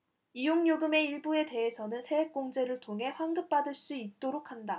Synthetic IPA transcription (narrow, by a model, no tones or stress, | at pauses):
ijoŋɲoɡɯme̞iɭbue̞te̞ɦesʰʌnɯnsʰe̞ek͈oŋd͡ʑe̞ɾɯɭtʰoŋɦe̞ɸwaŋɡɯp̚p͈adɯɭs͈uit̚t͈oɾokʰanda